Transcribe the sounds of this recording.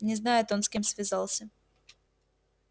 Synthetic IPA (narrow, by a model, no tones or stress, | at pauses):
nʲɪznajʊt̪o̞nskʲemsvʲɪzɑlˠsʲə